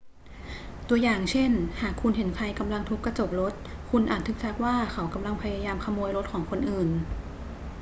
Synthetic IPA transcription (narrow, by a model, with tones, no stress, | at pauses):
t̪u˧ɐjaː˨˩ŋt͡ɕʰe˥˩nhaː˨˩kʰːu˧nɦe˩˦nkʰa˧jka˧mla˧ŋt̪ʰu˦˥kːa˧t͡ɕo˨˩p̚ɾo˦˥t̪̚kʰu˧nʔa̰ː˨˩t̪ʰːɯː˨˩k̚sʰa˦˥k̚waː˥˩kʰa˩˦wka˧mla˧ŋpʰa˧jaː˧jaː˧mkʰa˧muː˧jɾo˦˥t̪̚kʰɔː˩˦ŋkʰo˧nʔɯː˨˩n